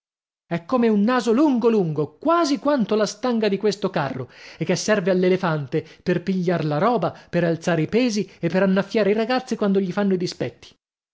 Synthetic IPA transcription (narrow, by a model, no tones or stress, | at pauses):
ɛkːomeunːaːzoluŋɡoluŋɡokwaːzikwant̪olast̪aŋɡad̪ikwest̪okarːoekːesːɛrvealːelefant̪eperpiʎːaɾlaɾɔːbapeɾalt̪saːɾeipɛːziepːeɾanːafːjaːɾeiɾaɡat̪sːikwand̪oʎifanːoid̪ispɛt̪ʰːi̥